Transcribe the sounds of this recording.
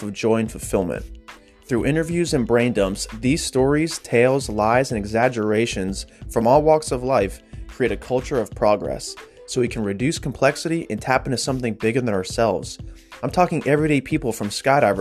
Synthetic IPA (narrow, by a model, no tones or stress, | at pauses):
ʌvd͡ʒɔ̃ɪ̃nf̩ˠfɪlˠmɨ̰̃n | θɹʉʔɪ̃ɾ̃ə˞vjʉzɨ̃nbɹẽɪ̃ndʌ̃mpsðiz̥stɔɹiz̥tʰeɪlˠzlaɪzɨ̃nɨɡzæd͡ʒə˞eɪʃɨ̃nz̥fɹʌ̃mɔlˠwɔksʌvlaɪfkʰɹ̥ieɪɾɨkʰʌlˠt͡ʃə˞ʌv̥pʰɹ̥ɑɡɹɛ̰sː | oʊwikʰn̩ɹɨdʉskʰm̩pʰl̥ɛksɨɾiʔɨ̃ntʰæpntʰɨsʌ̃mθɪ̃ŋbɪɡə˞ðɨ̃nə˞sɛlˠvz̥ãɪ̃mtʰɔkɪ̃ŋʔɛvɹiɾeɪpʰipl̩ˠfɹʌ̃mskaɪɾaɪv